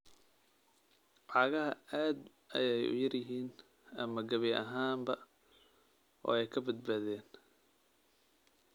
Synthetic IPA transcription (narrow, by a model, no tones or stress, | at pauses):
ʕɑːɣɐɦɐaːd̪ | ɐ̰jɛjʊ̰jɐrjɪɦiːn | ɐmɐɡɐβɛʔɐɦaːmbɐ | ʔɔ̰ːɛjkʰɐbɐd̪̚baːðɛːn